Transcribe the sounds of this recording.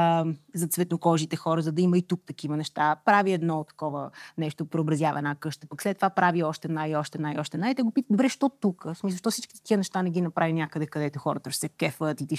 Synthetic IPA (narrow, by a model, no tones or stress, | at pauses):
zɐt̪svɛt̪nokɔʒit̪ɛxɔɾəzɐd̪ɐiməit̪uk̚t̪ɐk̟ivənɛʃt̪apɾaviɛd̪nɔt̪ːɐ̥kɔvənɛʃt̪opɾɛobɾɐzjavɐ̰nakɤʃt̪ə̥pɐkslɛt̪ːovapɾaviɔʃt̪ɛnajiɔʃt̪ɛnajɔʃt̪ɛnajt̪ɛɡopit̪əd̪obɾɛʃt̪ɔt̪ukəsmis̬lˠʃt̪ɔfsit͡ʃki̥t̪əkiənɛʃt̪anɛɡinɐpɾavinʲakəd̪ɛkɐd̪ɛt̪oxɔɾɐt̪əʃsɛkɛfət̪it̪i